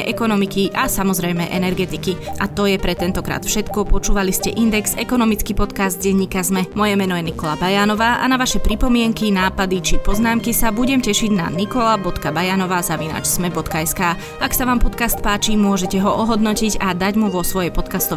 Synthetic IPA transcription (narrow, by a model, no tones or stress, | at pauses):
ɛʔɛkɔnɔmikiʔasamɔzɾɛjmɛʔɛnɛɾɡɛt̪ikiʔat̪ɔjɛpɾɛt̪ɛnt̪ɔkɾa̰ːt̪fʃɛt̪kɔpɔt͡ʃuːʋaliscɛʔind̪ɛksɛkɔnɔmit͡skipɔt̪kazd̪ɟɛɲːiːkazmɛmɔjɛmɛnɔjɛnikɔlabajaːnɔʋaːʔanaʋaʃɛpɾipɔmɪɛŋkinaːpad̪it͡ʃipɔznaːmkisabuɟɛmcɛʃiɟna̰nikɔlabɔt̪kabajanɔʋaːzaʋina̰ːt͡ʃz̥mɛbɔt̪kaɛskaː | aksaʋaːmpɔt̪kast̪paːt͡ʃimʊɔʒɛcɛɦɔʔɔɦɔd̪nɔciɟad̪aɟmuʋɔsʋɔjɛpɔt̪kast̪ɔɛ